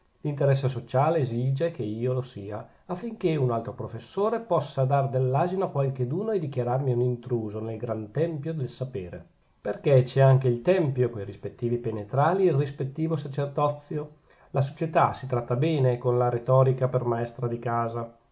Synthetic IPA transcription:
lint̪eɾɛs̬ːes̬ot͡ʃaːleːziːd͡ʒekeiːolosiːa | afːiŋk̟eunalt̪ɾopɾofesːoːɾepɔsːad̪ard̪elːaːzinoakwalked̪uːnoed̪ik̟jaɾarmiunint̪ɾuːzonelɡɾant̪ɛmpjod̪elsapeːɾḛ | perket͡ʃɛaŋk̟eilt̪ɛmpjokojrispet̪ːiːvipenet̪ɾaːliilrispet̪ːiːvosat͡ʃerd̪ɔt̪sːjo | las̬o̥t͡ʃet̪asit̪ɾat̪ːabɛːnekonlaɾet̪ɔːɾikapermaɛst̪ɾad̪ikaːza

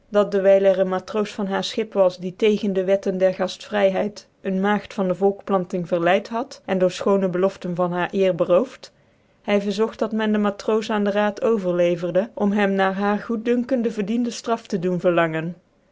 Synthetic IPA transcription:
dɑt̚dəʋɛjlɛrənmaːtrowsfɑnɦaːɹsχɪpʋɑsditejχəndəʋɛtəndɛɹχɑstfrɛjɦɛjt | ənmaːχtfɑndəvɔlˠkplɑntɪŋvəɹlɛjtɦɑtʔɛndʊːɹsχownəbəlɔftənvɑnɦaːɹʔɪːɹbərowft | hɛjvəɹzɔχt̚dɑtmɛndəmaːtrowsaːndəraːtʰowvəɹlejvərdəʔɔmɦɛmnaːɹɦaːɹχut̚dɵŋkəndəvəɹdindəstrɑftədunvəɹlɑŋən

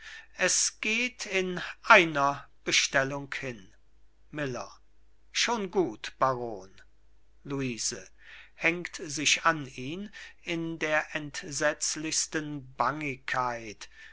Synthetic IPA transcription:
ʔɛsɡ̥eːtʰɪnʔaɪnɐb̥əʃtɛlʊŋkhɪn | mɪlɐ̰ | ʃoːnɡuːtb̥aʁoːn | luiːzə | hɛŋktzɪʃaniːnɪndeːɐʔɛntz̥ɛt͡slɪçstənbaŋɪkʰːaɪt

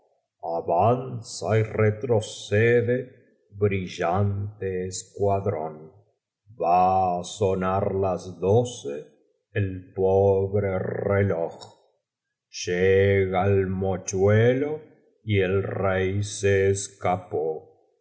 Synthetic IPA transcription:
aβansairet̪ɾoseðe | βɾiʝant̪eːskwaðɾon | basonaɾlazðoseː | lpoβɾerelox | ʃeɣaelmot͡ʃwelo | ielrejseːskapo

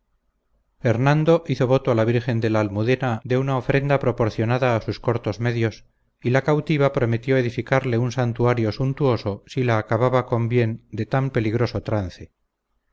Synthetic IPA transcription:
e̞ɾnãnd̪o̞ʔiθo̞βo̞t̪oalaβ̞iɾxe̞nd̪e̞laːlmuðe̞nad̪e̞unaofɾe̞nd̪apɾo̞po̞ɾθjo̞naðaːsusko̞ɾt̪o̞zme̞ðjo̞s | ilakawt̪iβ̞apɾo̞me̞t̪jo̞e̞ðifikaɾle̞unsant̪uaɾjo̞sunt̪uo̞so̞silaːkaβaβako̞mbje̞nd̪e̞t̪ampe̞liɣɾo̞so̞t̪ɾanθe̞

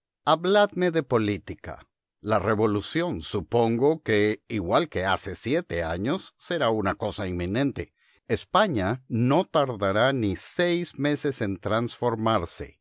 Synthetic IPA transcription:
aβlaðme̞ðe̞po̞lit̪ika̰ | lare̞βo̞lusjo̞nsupo̞ŋɡo̞ke̞iɣwalke̞a̰se̞sje̞t̪e̞aɲo̞sːe̞ɾaunako̞saimːĩnẽ̞nt̪e̞ | espaɲano̞t̪aɾðaɾanisejzme̞se̞se̞nt̪ɾansfo̞ɾmaɾsḛ

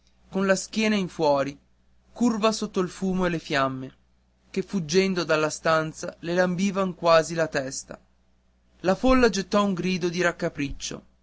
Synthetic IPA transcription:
konlaskjɛːnaiɱfwɔːɾi | kurvasot̪ːoilfuːmoelefjamːe | kefːud͡ʒːɛnd̪od̪alːast̪ant̪salelambiːvaŋkwaːzilat̪ɛst̪a̰ | lafolːad͡ʒet̪ːɔuŋɡɾiːd̪od̪iɾakːapɾit͡ʃːo̰

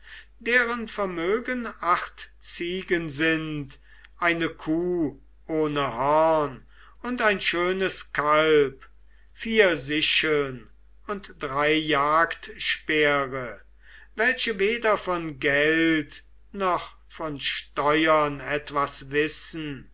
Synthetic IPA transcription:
deːʁənfɛɐmøːɡənaχtt͡siːɡənzɪnt | ʔaɪnəkʰuː | ʔoːnəhɔʁn | ʊntaɪnʃøːnəskalp | fiːɐzɪʃəln | ʊntd̥ʁaɪjaːktʃpeːʁə | vɛlʃəveːdɐfɔnɡɛlt | nɔχ | fɔnʃtɔʏɐnɛtv̥asvɪsn̩

